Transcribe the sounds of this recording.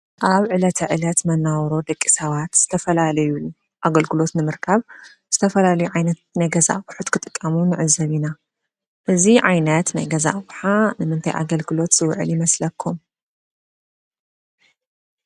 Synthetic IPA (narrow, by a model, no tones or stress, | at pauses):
ʔaβʕɨlɐt̪ʰɐʕɨlɐt̪mɐnːawɾo̞d̪ɐkʼːi̥sɐβat̪z̥ɨt̪ʰɐfɐlalɐjuu | ʔaɡɐlɡɨlo̞t̪nɨmɨɾkʰaβ | z̥ɨt̪ʰɐfɐlalɐjuʕajnɐt̪̚najɡɐza̰ʔwħut̪kʰɨt̪ʼɨ̥kʼːɐmunɨʕɨzɐβina | ʔɨziʕajnɐt̪na̰jɡɐza̰ʔwħanɨmɨnt̪ʰajʔa̰ɡɐlɡɨlo̞t̪z̥ɨwʕɨ̰ljimɐslɐkʰːum